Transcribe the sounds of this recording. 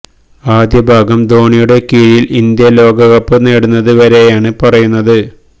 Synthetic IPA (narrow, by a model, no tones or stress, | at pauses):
aːd̪jɐbʱaːɡɐmd̪o̞ːɳijuɽe̞kiːɻjilʔind̪jɐlo̞ːɡɐɣɐpːɨneːɽunːɐðɨʋɐɾe̞jaːɳɨpɐrɐjunːɐðɨ